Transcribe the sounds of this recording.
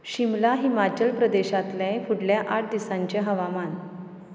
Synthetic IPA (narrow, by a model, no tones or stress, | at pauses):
ɕimlaɦimat͡ɕəlpɾəd̪eɕat̪lẽfʰuɽljaʔaʈ̚ʰd̪isãɲt͡ɕeɦəʋaman